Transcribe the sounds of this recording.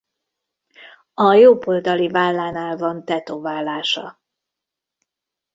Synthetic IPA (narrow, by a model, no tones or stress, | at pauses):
ɒjoːbold̪ɒlivaːlːaːnaːlvɒnt̪ɛt̪oːvaːlːaːʃɒ